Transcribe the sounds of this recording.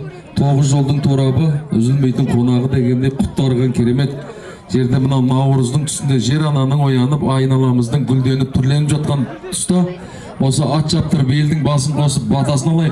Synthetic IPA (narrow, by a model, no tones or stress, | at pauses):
t̪ʰo̞ʁəzʒo̞lˠd̪əɴt̪ʰuɾɑbəʏzɪlme̞jt̪ɪɴqʰo̞nɑʁəd̪e̞ɡʲe̞nd̪e̞jqʰʊ̥t̪ːɑɾʁɑŋkʲʰeɾe̞me̞t̪ | ʒ̥e̞ɾd̪e̞mənɑwnɑwɾəzd̪əɴt̪ʰʏ̥sɪnd̪e̞ʒe̞ɾɑnɑnəɴwo̞jɑnəpɑjnɑlˠɑməzd̪əɴɡʲʏld̪e̞nɪp̚t̪ʰʏɾle̞nɪpʒɑt̪̚qɑnʰʏ̥st̪ɪ | wo̞səɑt̪ʃɑp̚t̪əɾbijeld̪ɪŋbɑsənʰo̞səp̚bɑt̪ɑsənɑlˠɑj